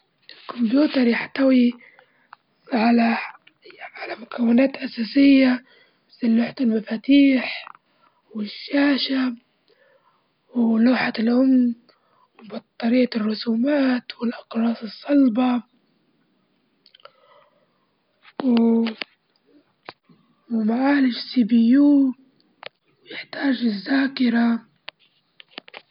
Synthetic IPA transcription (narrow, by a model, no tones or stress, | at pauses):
ʔɪlkʊmbjuːt̪ɑɾˤjɪħt̪awi | ʕala | ʕalamʊkawːɪnaːt̪ʔasaːsɪjːa | silːuːħat̪ɪlmafaːt̪iːħ | wɪʃːaːʃa | wluːħalʔʊmn | wbɑt̪ˤːɑɾiːarːʊsuːmaːt̪wɪlʔɑqɾˤɑːsˤɨsˤːɑlbɑ | w | wmaʕaːlɪʃsibɪjuː | wjɪħt̪aːʒɪzːaːkɪɾa